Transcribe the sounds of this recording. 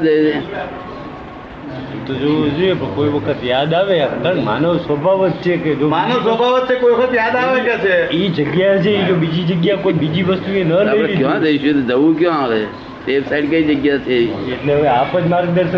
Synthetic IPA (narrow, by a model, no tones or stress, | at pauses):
d͡ʒəd͡ʒe | t̪od͡ʒod͡ʒoepəkoiʋəkʰət̪jad̪aʋeəkəma̰nosʋəbʱaʋət̪̚t͡ʃʰeked͡ʒomanos̬ʋəbʱaʋət̪̚t͡ʃʰekoiʋəkʰət̪jad̪aʋed͡ʒat͡ʃʰeid͡ʒəɡjat͡ʃʰeid͡ʒobid͡ʒid͡ʒəɡjakoibid͡ʒiʋəst̪uenələɾikjõad͡ʒ̪əiʃut̪d͡ʒəʋũk̬jõaʋe | seʋsaiɖkəid͡ʒəɡjat͡ʃʰeieʈleɦəʋeapəd͡ʒmaɾɡ̚d̪əɾʃə